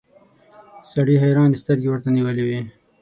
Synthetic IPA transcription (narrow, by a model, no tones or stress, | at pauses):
saɽiɦajɾɑːnd̪ist̪əɾɡiwəɾt̪aniwəliwi